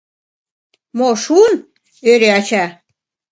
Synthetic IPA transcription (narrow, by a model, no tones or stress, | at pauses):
moʃun | øɾeɑt͡ɕɑ